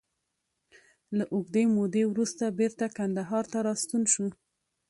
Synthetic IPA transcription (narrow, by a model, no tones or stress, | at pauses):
laʔʊɡd̪emod̪ewɾust̪abeɾt̪akand̪aɦɑɾt̪aɾɑst̪unʃu